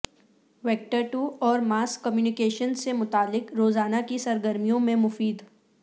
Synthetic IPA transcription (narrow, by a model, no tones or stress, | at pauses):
ʋeːk̚ʈəɾʈuːɔːɾmaːskːəmjuːnɪkeːʃənsemʊt̪aːlːɪkɾoːzaːnakisɐɾɡəɾmijõmẽmʊfiːd̪